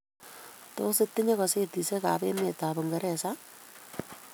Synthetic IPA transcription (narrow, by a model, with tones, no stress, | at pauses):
to̰˦sɪ˦tːɪ˦ɲe˦kɔse˦ti˨se˦ka̰˨pḛ˦me˨tabo˨ŋɡɐɾɛsa